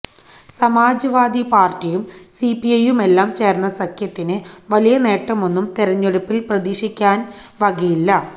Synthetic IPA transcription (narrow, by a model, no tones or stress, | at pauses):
sɐmaːd͡ʑɐʋaːd̪ipaːrtːijumsipiɐjume̞lːaːmt͡ɕe̞ːrnːɐsɐkʰjɐt̪ːinɨʋɐlijɐne̞ːʈːɐmo̞nːumt̪eɾɐɲːeɽupːilprɐðiːʂikʲːaːnʋɐɡijilːɐ